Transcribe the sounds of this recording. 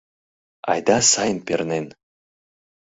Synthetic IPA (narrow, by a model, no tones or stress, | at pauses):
ɑ̰jd̪ɑsɑjənpʲernen